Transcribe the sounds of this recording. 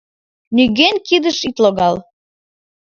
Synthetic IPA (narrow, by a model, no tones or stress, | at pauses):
nyɣenkid̪əʃit̪loɣɑl